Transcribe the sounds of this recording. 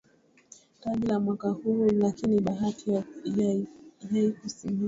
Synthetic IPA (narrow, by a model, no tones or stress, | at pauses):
taɗilamwakahulakiniɓaɦatʰi | jaikusimi